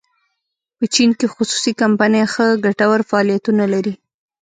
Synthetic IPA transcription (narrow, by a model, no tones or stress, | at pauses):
pət͡ʃinkexʊsu̥sikampanjaxəɡaʈawaɾfaːlijat̪unalaɾi